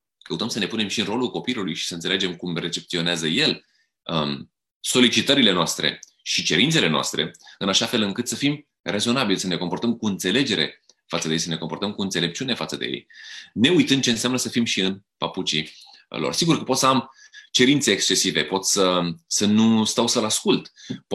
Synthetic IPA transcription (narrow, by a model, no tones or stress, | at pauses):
kəut̪əmsəne̞pune̞mʃiɨnro̞lulko̞pilulujʃi̥səɨnt̪seled͡ʒe̞mkumre̞t͡ʃe̞p̚t̪sio̞neazəje̞l | ə | so̞lit͡ʃit̪əɾile̞noast̪ɾe̞̰ | ʃit͡ʃe̞ɾint̪se̞le̞noa̰st̪ɾʔe̞̰ɨnaʃafe̞lɨŋkɨt̪səfim | rezo̞nabilsəne̞ko̞mpo̞rt̪əmkuɨnt̪se̞le̞d͡ʒe̞ɾe̞̰ | fat̪sədejejsəne̞ko̞mpo̞rt̪əmkuɨnt̪sele̞p̚t͡ʃiune̞fat̪səd̪ḛjḛjne̞ujt̪ɨnd̪̚t͡ʃe̞ɨnseamnəsəfimʃiɨnpaput͡ʃi | lo̞̰rsiɡurkəpo̞t̪səam | t͡ʃe̞ɾint̪se̞ːkst͡ʃe̞sive̞po̞t̪ssəsənust̪awsəlaskult̪p